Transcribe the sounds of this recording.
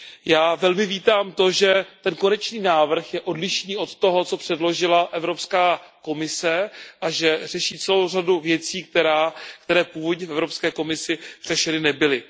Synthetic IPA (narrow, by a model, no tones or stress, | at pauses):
jaːvɛlmɪviːt̪aːmt̪o̞ʒɛt̪ɛnko̞nɛt͡ʃniːnaːvr̩xjɛʔo̞dlɪʃniːʔo̞t̪t̪o̞ɦo̞t͡sopr̥ɛdlo̞ʒɪlaʔɛvɾo̞pskaːko̞mɪsɛʔaʒɛr̝ɛʃiːt͡sɛlowr̝aduvjɛt͡siːk̚t̪ɛɾaːkt̪ɛɾɛːpuːvo̞dɲɛfɛvɾo̞pskɛːko̞mɪsɪr̝̥ɛʃɛnɪnɛbɪlɪ